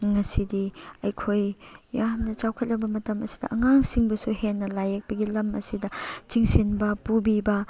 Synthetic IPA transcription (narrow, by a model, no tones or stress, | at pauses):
ŋɐsidiɐjkʰojjamnɐt͡ʃawkʰɐt̚lɐbɐmɐtɐmɐsi̥dɐ̰ʔɐŋaŋsiŋbɐsuhenːɐlajek̚pɐɡilɐmɐ̰sidɐt͡ʃiŋsinbɐpubibɐ